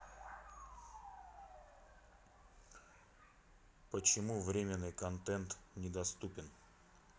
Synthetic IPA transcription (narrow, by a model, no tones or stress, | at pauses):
pət͡ɕɪmuvɾʲemʲɪnːɨjkɐnt̪ɛnt̪nʲɪd̪ɐst̪upʲɪn